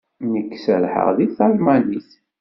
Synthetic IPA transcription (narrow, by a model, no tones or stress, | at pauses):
nəkːsəlħə̰ʁðiθalmæniθ